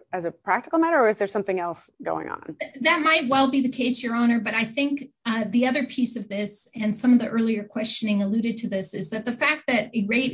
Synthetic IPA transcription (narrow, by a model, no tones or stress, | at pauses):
ɨzɨpʰɹ̥æk̚tɨkl̩ˠmæɾə˞ɨzðə˞sʌ̃mθɪ̃ŋɛlˠs | ɡ̥o̰ʊɪ̰̃ŋə̰̃nðɨt̚maɪt̚wɛlˠbiðɨkʰeɪsjə˞ɑñə˞bʌɾaɪθɪ̃ŋkðiʌðə˞pʰisʌvðɪsɨ̃nsʌ̃mʌvðiʔɜ˞lˠiə˞kʰw̥ɛst͡ʃɨnɪ̃ŋəlʉɾɨd̚tʰɨðɪsɨzðɨt̪̚ðɨfæk̚t̪̚ðɨɾɨɹeɪt̚